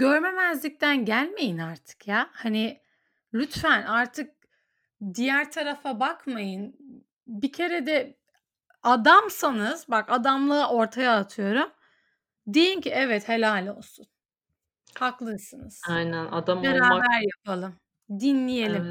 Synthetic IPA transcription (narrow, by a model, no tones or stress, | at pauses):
ɟøɾme̞mæzlʲic̚t̪ʰænɟælʲme̞jinaɾt̪ʰɯ̥kjaːhanɪ | lʲyt̪fænʔaɾt̪ʰɯk̚ | d̪ijæɾt̪ʰaɾafabakmajɯn | bicʰe̞ɾɛd̪ɛ | ad̪amsanɯz̥bakad̪amlˠɯʔo̞ɾt̪ʰajaːt̪ʰɯjo̞ɾum | d̪e̞jincʰiɛvɛt̪helʲaːlʲo̞lˠsun | haklˠɯɾsɯnɯz̥ajnæna̰d̪ambeɾaːbæɾjapʰalˠɯm | d̪inlʲije̞lʲim